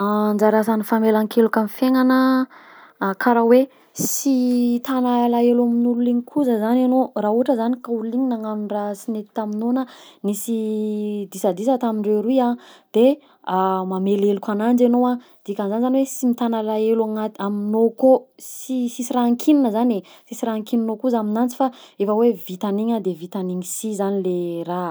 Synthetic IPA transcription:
and͡zaɾasanifamelaŋkelukʲamifeŋanə | kʰaɾawe | sit̪analaelaminululiŋikʰuzəzananorauʈ͡ʂəzanikauliɲinaŋanurasinet̪i̥t̪aminonənisid̪isad̪isət̪amiɳɖ͡ʐeɾuiad̪̥e | amamelelukʲanand͡ʒenowa | d̪̥ikʲanzanizaniwesimit̪analaelaŋat̪aminokosisisiɾaaŋkʰininəzanesisiɾaŋkininokuzaminant͡si̥faefəwevit̪aniɲad̪evit̪aniɲisizanilera

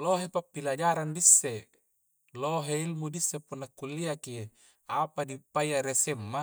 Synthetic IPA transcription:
loɦepapːilad͡ʒaɾandisːe | loɦeilmudisːepunːakːulːiaki | apadipːaiaɾesemːa

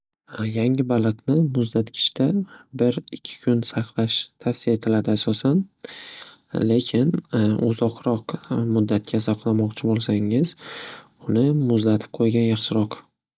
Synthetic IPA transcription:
jaŋɪbalˠɨqnɪmʊzd̪at̪kʲʰɪ̥ʃt̪abɪɾɪkʲʰːɪ̥kʲʰʊnsaχlˠaʃt̪ʰafsɪjae̞t̪ʰɪlad̪ɪasɒsan | le̞kʲʰɪnʊ̰zɒqɾɒqmʊd̪ːat̪̚kʲʰasɑqlˠamɒqt͡ʃʰɪbolˠsaŋɪz | ʊnɪmʊzlat̪ʰɪ̥p̚qʰojɡʲanjɑχʃɪɾɒq

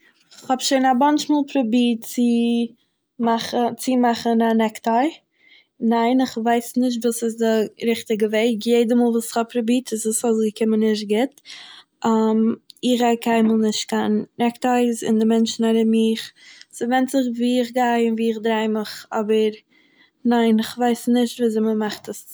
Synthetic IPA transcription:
ɪχhɔbʃeɪnabant͡ʃmuːlˠpɾʊbiːtt͡sɪ | maχət͡sɪmaχənanɛktaɪ | naɪnɪχvaɪsnɪʃ̬tvuːsɪsdɪɾɪχtɪɡəveɪkjeɪdəmɔːlˠvuːsɪ̥χɔp̚pʰɾʊbiːtɪsɪsɔsɡəkʰɪmənɪʃ̬t̚ɡɪt | amɪχakʰaɪməlˠnɪʃt̚kannɛktaɪsɪ̰ndɪmɛnt͡ʃnaɾɪmiːχsɪvɛntzɪχviːɪχɡaɪɪnviːɪχdɾaɪməχɔbəɾ | naɪnɪχvaɪsnɪʃtviːzɪməmaχtəs

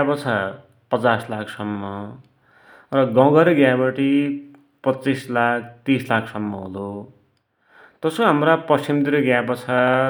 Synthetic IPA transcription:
apʌt͡sʰa | pʌt͡saslakʰsʌmːʌ | rʌɡʌɡʌɾɡjabʌʈi | pʌtːt͡sislak̚ʰt̪islakʰsʌmːʌɦulo | t̪ʌsoɦamrapʌst͡sʰimd̪iɾʌɡjabʌt͡sʰa

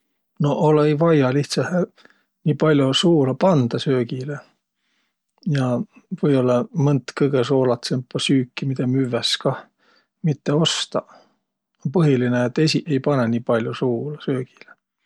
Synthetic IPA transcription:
no̞ʔolejvɑjɑliht̪sɑh | nʲiːpɑlʲjosuːlɑpɑnd̪̥ɑsø̞ːɡ̥ile | jɑvɤjo̞lːɑmɤnt̪kɤjɡ̥eso̞ːlɑt̪sempɑsyːkːimid̪̥emyvːeskɑ | mit̪ːe̞o̞st̪ɑ | onpɤɦilineːt̪ːˑe̞sʲiʔe̞jpɑnenʲiːpɑlʲjosuːlɑsø̞ːɡ̥i̥le

